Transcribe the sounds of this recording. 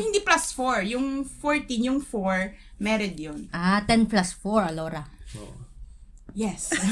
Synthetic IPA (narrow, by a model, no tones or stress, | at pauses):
hɪnd̪iplasfɔɹjʊŋfɔɹt̪injʊŋfɔɹmɛɾɛd̪jonʔat̪ɛnplasfɔɹɐloːɾɐ | jɛs